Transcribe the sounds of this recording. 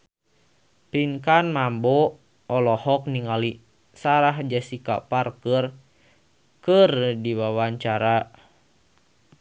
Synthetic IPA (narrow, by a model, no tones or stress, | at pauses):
piŋkanmambɔ | ɔlɔhɔk̚niŋali | saɾaɦd͡ʒasika̰parkər | kərdiwawaɲt͡ʃaɾa